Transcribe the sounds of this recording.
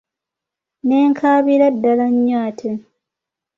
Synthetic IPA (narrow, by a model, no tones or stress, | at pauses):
neːŋkʰaːβiɾadːalaɲːaːtʰe